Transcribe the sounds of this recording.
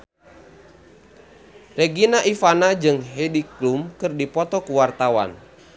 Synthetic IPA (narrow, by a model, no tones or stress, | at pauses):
rɛɡinaʔifanad͡ʒɨŋɦɛdiklumkɨrdipɔt̪ɔkuwart̪awa̰n